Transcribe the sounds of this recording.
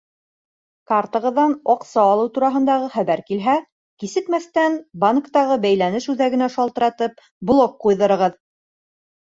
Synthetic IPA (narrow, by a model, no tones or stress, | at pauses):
kaɾt̪ɤ̆ʁɤ̆ðːɑnɒqsɑːlˠɤwt̪uɾɑɦɤ̆nd̪ɑʁɤχæβæɾkilɦæ | kisɘ̆k̪mæθt̪ænbaŋkt̪ɑʁɤbæjlænɘʃʉðæɡɘ̆næʃɑlˠt̪ɤ̆ɾɑt̪ɤp̚ | blˠokqujðɤ̆ɾɤ̆ʁɤð